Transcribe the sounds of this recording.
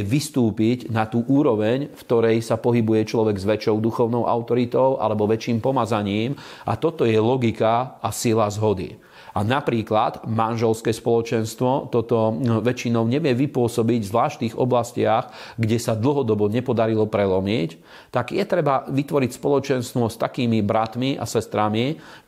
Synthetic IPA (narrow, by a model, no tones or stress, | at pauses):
ʋist̪uːpiɟnat̪uːʔuːɾɔʋɛɲft̪ɔɾɛjsapɔɦibujɛt͡ʃlɔʋɛɡzʋɛt͡ʃɔʊd̪uxɔʊnɔʊʔa̰ʊt̪ɔɾit̪ɔʊʔa̰lɛbɔʋɛt͡ʃiːmpɔmazaɲiːm | ʔa̰t̪ɔt̪ɔjɛlɔɡikaasilazɦɔd̪ḭ | ʔanapɾiːklad̪manʒɛlskɛːspɔlɔt͡ʃɛnst̪ʋɔt̪ɔt̪ɔʋɛt͡ʃinɔʊɲɛʋɪɛʋipʊɔsɔbiɟvzʋlaːʃt̪iːɣɔ̰blascɪaxɡɟɛsad̪l̩ˠɦɔd̪ɔbɔɲɛpɔd̪aɾilɔpɾɛlɔmɛc | t̪aɡjɛt̪ɾɛbaʋit̪ʋɔɾicspɔlɔt͡ʃɛnst̪ʋɔst̪akiːmibɾat̪miʔa̰sɛst̪ɾami